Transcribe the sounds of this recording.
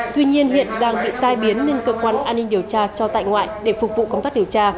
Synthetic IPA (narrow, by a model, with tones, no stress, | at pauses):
t̪wi˧ɲi˧ənɦḭ˧˨ənɗaː˧ŋɓḭ˧˨t̪aː˧jɓi˨˦ənːe˧nkəː˧kwaː˧nʔaː˧nːi˧ŋɗi˨˩əwt͡ɕaː˧t͡ɕɔ˧t̪a̰ː˧˨jŋwa̰ː˧˨jɗe˧˩fʊ˨˩k͡p̚vṵ˧˨kə˧wŋ͡mt̪aː˦˥ɗi˨˩əwt͡ɕaː˧